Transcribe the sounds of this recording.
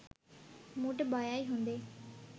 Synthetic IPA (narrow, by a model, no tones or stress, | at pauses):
muʈbaːjaːiɦõnd̪eː